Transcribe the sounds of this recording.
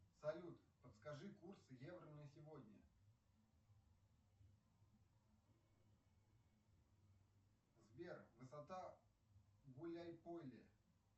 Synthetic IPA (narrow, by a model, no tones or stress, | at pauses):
sɐlʲut̪pət̪skɐʐɨkursɨjevɾənɨjəsʲɪvodʲnʲə̰ | zbʲervɨsɐt̪a | ɡulʲajpolʲɪ̰